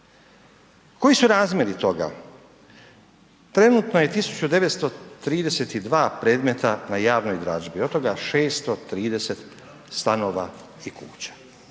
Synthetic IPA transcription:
ko̞jisuɾaːzmʲje̞ɾit̪o̞ɡa̰ | t̪ɾe̞nut̪noje̞t̪isu̥t͡ɕud̪e̞ʋet̪st̪o̞t̪ɾiːd̪e̞se̞t̪id̪ʋaːpɾe̞ːd̪me̞t̪anajaːʋno̞jd̪ɾaʒbiot̪o̞ɡaʃe̞ːst̪o̞t̪ɾiːd̪e̞se̞t̪ | st̪ano̞ːʋa̰ | ikṵːt͡ɕḁ

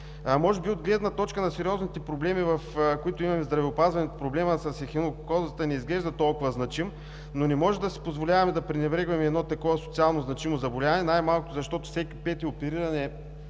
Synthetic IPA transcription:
mɔʒɛbiod̪ɡlɛd̪nɐt̪ɔt͡ʃkənɐsɛɾʲiɔznit̪ɛpɾoblɛmivɐfkoit̪ʊimɐmɛzd̪ɾɐvɛʊpazvɐnɛot̪pɾoblɛməsɐsxinokkɔzət̪ənɛizɡlɛʒd̪ɐt̪ɔlˠkʊvəznɐt͡ʃim | nonɛmɔʒɛd̪ɐsi̥pozvolʲavɐmɛd̪ɐpɾɛnɛbɾɛɡvɐmɛːd̪nɔt̪ɐkɔvɐso̥t̪sialˠnoznɐt͡ʃimozɐbolʲavɐnɛnajmalˠkʊt̪ʊzɐʃt̪ɔt̪ʊ̥fsɛki̥pɛt̪iopɛɾiɾɐnɛ

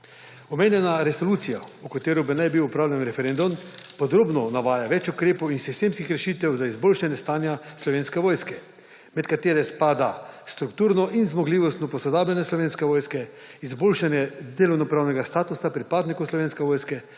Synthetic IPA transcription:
ɔmeːnjɛnaɾɛsoluːt̪sijaukat̪eːɾɔbənajbiwupɾawlʲjɛnɾɛfɛɾend̪umpɔd̪ɾoːbnɔnaʋaːjaʋɛt͡ʃukɾeːpɔwinsist̪eːmskixɾɛʃiːt̪ɛwzaizboːlʃanjɛst̪aːnjaslɔʋeːnskɛʋoːjskɛ | mɛt̪kat̪eːɾɛspaːd̪ast̪ɾukt̪uːɾnɔʔinzmɔɡliːʋɔst̪nɔpɔsɔd̪aːbljanjɛslɔʋeːnskɛʋoːjskɛ | izboːlʃanjɛd̪eːlɔwnɔpɾaːwnɛɡast̪aːt̪usapɾipaːd̪nikowslɔʋeːnskɛʋoːjskɛ

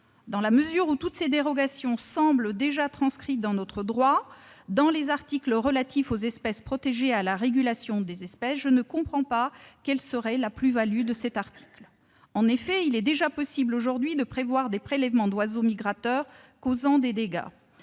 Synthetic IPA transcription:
d̪ɑ̃laməzyʁut̪ut̪sed̪eʁɔɡasjɔ̃sɑ̃bld̪eʒat̪χɑ̃skχit̪̚d̪ɑ̃nɔt̪χəd̪ʁwad̪ɑ̃lezaʁt̪iklʁəlat̪ifozɛspɛspχɔt̪eʒealaʁeɡʲylasjɔ̃d̪ezɛspɛsʒənəkɔ̃pχɑ̃pakɛlsəʁɛlaplyvalyd̪əsɛt̪aʁt̪i̥kl | ɑ̃nefɛilɛd̪eʒapɔsibloʒuʁd̪ɥid̪əpχevwaʁd̪epχelɛvmɑ̃d̪wazomiɡʁat̪œʁ | kozɑ̃d̪ed̪eɡa̰

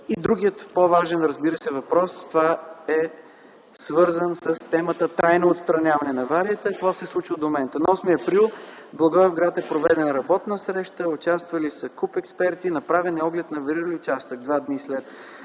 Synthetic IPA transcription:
id̪ɾuɡijət̪povaʒɛnɾəzbiɾəsɛvɐpɾɔst̪ovaɛ | svɤɾzənsəst̪ɛmət̪ət̪ɾajnoːt̪st̪ɾɐnʲavɐnɛnɐvaɾiət̪əːkvɔsɛslˠut͡ʃid̪omomɛnt̪ənɐɔsmiɐpɾilˠ | blˠɐɡɔɛvɡɾat̪ɛpɾovɛd̪ɛnɾɐbɔt̪nəsɾɛʃt̪əʊt͡ʃast̪vɐlisəkupɛkspɛɾt̪inɐpɾavɛnɛɔɡlɛt̪nɐvɐɾiɾəliʊt͡ʃast̪əɡ̚d̪vad̪nislɛt̪

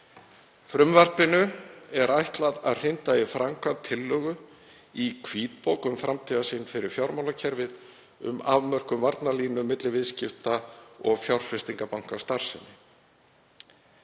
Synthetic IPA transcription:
fɾʏmvar̥pɪnʏɛɾajht̪laðaðr̥ɪnt̪aifɾaŋkʰvat̪ʰɪlːœːɣʏ | ikʰviːt̪poːwkʏmfɾʔamt̪ʰiːðasɪnfɪɾɪɾ̥fjawɾmawlacʰɛɾvɪð | ʏ̰ma̰vmœr̥kʏmvaɾt̪naliːnʏmɪt̪lɪvɪðscɪft̪aɔɣfjawr̥fɾɪst̪iŋkapawŋ̥kast̪aɾ̥sɪnːɪ

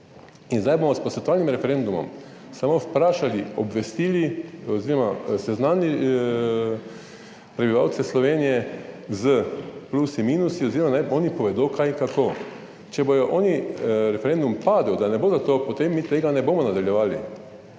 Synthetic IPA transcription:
inzd̪ajboːmɔspɔsʋʲɛt̪ɔʋaːlnimɾɛfɛɾend̪umɔ̰m | samowpɾaːʃaliɔbʋɛst̪iːliɔziːɾɔmasɛznani | pɾɛbiʋaːwt̪sɛslɔʋeːnijɛzəplusimiːnusiɔziːɾɔmanajoːnipɔʋɛd̪okʰajŋkakoː | t͡ʃɛbojɔʔɔːniɾɛfɛɾend̪umpaːd̪əwd̪anɛboːzat̪oːpot̪emːit̪eːɡanɛboːmɔnad̪aljɛʋaːlḭ

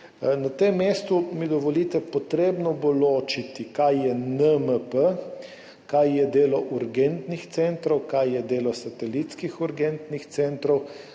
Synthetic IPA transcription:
nat̪emːest̪umid̪ɔʋɔliːt̪ɛpɔt̪ɾeːbnɔboloːt͡ʃit̪ikajjɛnəməpə | kajjɛd̪eːlɔʔuɾɡent̪nixt̪sent̪ɾɔwkajjɛd̪eːlɔsɐt̪ɛlit̪skixuɾɡent̪nixt̪sent̪ɾɔw

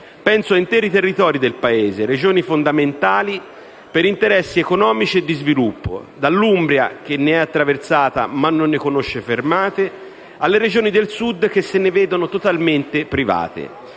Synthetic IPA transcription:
pɛnsoaint̪ɛːɾit̪erːit̪ɔːɾid̪elpaeːzeɾed͡ʒoːnifond̪ament̪aːli | peɾint̪eɾɛsːiekonɔːmit͡ʃied̪ːizvilupːo̰d̪alːumbɾja̰k̟enːeɛat̪ːɾavert̪saːt̪a̰manːonːekonoʃːefermaːt̪e | alːeɾed͡ʒoːnid̪elsud̪ːk̟esːenevɛːd̪onot̪ot̪alment̪epɾiva̰ːt̪ḛ

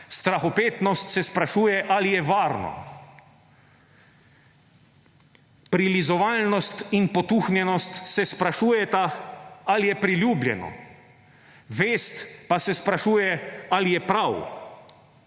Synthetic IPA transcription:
st̪ɾaxɔpeːt̪nɔst̪sɛspɾaʃuːjɛʔalijɛʋaːɾnɔ̰ | pɾilizɔʋaːlnɔst̪inpɔt̪uxnjɛnɔst̪sɛspɾaʃuːjɛt̪aalijɛpɾiljuːblʲjɛ̰nɔ̰ | ʋeːst̪pasɛspɾaʃuːjɛalijɛpɾaw

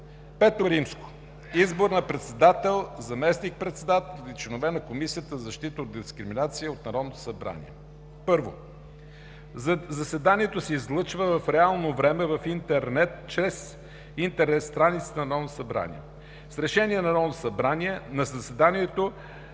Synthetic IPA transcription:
pɛt̪oɾimsko̥ | izboɾnɐpɾɛt̪sɛd̪at̪ɛlˠzɐmɛsnik̚pɾɛt̪sɛd̪at̪ɛlˠit͡ʃlɛnovɛnɐkomisijət̪əzɐʃt̪it̪əod̪̚d̪iskɾiminat̪siəot̪nɐɾɔd̪not̪o̥sɐbɾa̰nḭɛ̰ | pɤɾvo̰ | zɐsɛd̪aniɛt̪osɛizlˠɤt͡ʃvəvɐfɾɛalˠnovɾɛmɛvɐfint̪ɛɾnɛt̪̚t͡ʃɾɛs | int̪ɛɾnɛt̪st̪ɾanit̪sə̥t̪ənɐnɔd̪nosɐbɾa̰nḭɛ̰ | sɾɛʃɛniɛnɐɾɔd̪no̥sɐbɾaniɛnɐzɐsɛd̪aniɛt̪o

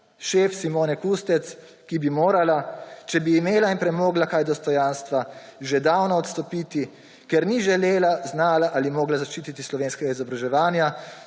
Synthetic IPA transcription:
ʃeːfsimoːnɛkust̪ɛt̪s | kibimoːɾalat͡ʃɛbiːmeːlainpɾɛmoːɡlakajd̪ɔst̪ɔjanst̪ʋaʒed̪aːwnɔːt̪st̪ɔpit̪i | kɛɾniʒɛleːlaznaːlaʔalimɔːɡlazaʃt͡ʃiːt̪it̪islɔʋeːnskɛɡaizɔbɾaʒɛʋaːnja

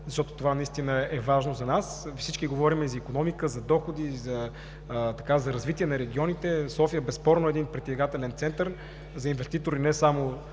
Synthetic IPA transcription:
zɐʃt̪ɔt̪ot̪ovanɐist̪inəɛvaʒnozɐnasfsit͡ʃkiɡovɔɾimɛzɐikonɔmikəzɐd̪ɔxod̪izɐ | t̪ɐkazɐɾɐzvit̪ʲiɛnɐɾɛɡ̟ʲiɔnit̪ɛsɔfijəbɛspɔɾnoɛd̪inpɾɛt̪iziɡat̪ɛlɛnt̪sɛnt̪əɾ | zɐinvɛst̪it̪oɾinɛsamo

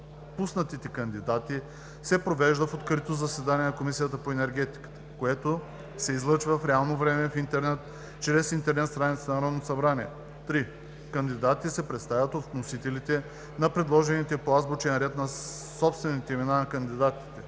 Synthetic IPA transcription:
pusnɐt̪it̪ɛkɐnd̪id̪at̪i | sɛpɾovɛʒd̪əfot̪kɾit̪ozɐsɛd̪anʲiɛnɐkomisijət̪əpoɛnɛɾɡ̟ɛt̪i̥kə̥t̪ə̥koɛt̪o | sɛizlˠɤt͡ʃvəfɾɛalˠnovɾɛmɛfint̪ɛɾnɛt̪ | t͡ʃɾɛsint̪ɛɾnɛt̪st̪ɾanʲit̪senɐɾɔnosɐbɾaniɛ | t̪ɾi | kɐnd̪id̪at̪isɛpɾɛt̪st̪avʲət̪ot̪nosit̪ɛlit̪ɛ | nɐpɾɛd̪lˠɔʒɛnit̪ɛpazbot͡ʃɛnɾɛt̪nɐ | sɔpst̪vɛnit̪ɛimɛnanɐkɐnd̪id̪at̪i̥t̪ɛ

